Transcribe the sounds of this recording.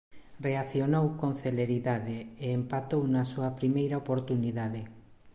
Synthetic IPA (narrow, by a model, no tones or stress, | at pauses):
reaθjonowkõnθeleɾiðaðeeːmpat̪ownɐsuɐpɾimejɾaopoɾt̪uniðaðe